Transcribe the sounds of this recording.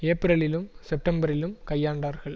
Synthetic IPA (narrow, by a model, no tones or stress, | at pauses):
eːpɪɾɐɭɪlɯmsɛp̚ʈɐmbɐɾɪlɯmkɐjːaːɳɖaːɾɣɐɭ